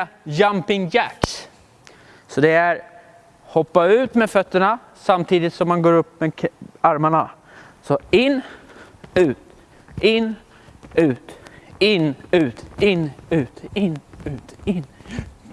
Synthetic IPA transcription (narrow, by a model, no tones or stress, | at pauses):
jampɪŋjæks | sɔd̪ɛæɾ | hɔpːaʉ̟ːt̪mɛfœt̪ːəɳa | samt̪ʰiːd̪ɪt̪sɔmːanɡoːɾɵpːmɛaɾmaɳa | sɔɪnː | ʉ̟ːt̪ | ɪnː | ʉ̟ːt̪ɪnːʉ̟ːt̪ɪnːʉ̟ːt̪ɪnːʉ̟ːt̪ɪnː